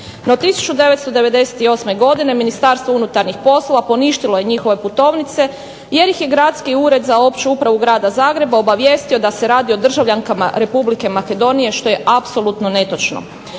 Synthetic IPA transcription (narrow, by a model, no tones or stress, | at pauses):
not̪isu̥t͡ʃud̪e̞ʋet̪st̪o̞d̪e̞ʋe̞d̪e̞se̥t̪io̞ːsme̞ɡo̞d̪ine̞minist̪aːɾst̪ʋounut̪aɾnixpo̞slˠo̞ʋapo̞niʃt̪iloje̞ɲixo̞ʋe̞put̪o̞ːʋnit̪se̞ | je̞ɾjixje̞ɡɾaːt̪skiuːɾe̞d̪zao̞pt͡ʃuupɾaʋuɡɾaːd̪azaːɡɾe̞bao̞baʋje̞st̪io̞d̪ase̞ɾaːd̪io̞d̪r̩ʒaʋʎaŋkama̰ɾe̞publike̞make̞d̪o̞nije̞ʃt̪o̞je̞ʔapso̞lˠut̪no̞ne̞t̪o̞t͡ʃno̞̰